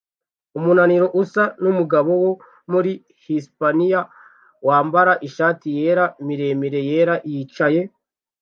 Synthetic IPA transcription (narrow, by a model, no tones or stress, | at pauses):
umunaniɾo̞ʔusanumuɡaβo̞wo̞ | muɾi | hispanija | waːmbaɾaʔiʃaːtije̞ːɾamiɾe̞miɾe̞je̞ːɾaʔjit͡ʃaje̞